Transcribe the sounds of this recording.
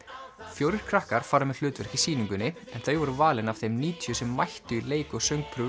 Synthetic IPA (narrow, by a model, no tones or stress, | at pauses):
fjowɾɪɾ̥kʰɾahkaɾ̥faːɾamɛðl̥ʏːt̪vɛɾ̥kisiːniŋkʏnːɪɛnθejvɔɾʏvaːlɪnav̥θejmniːt̪ʰjʏsɛmːajht̪ʏileːjkɔɣsœɥŋk̚pʰɾʏ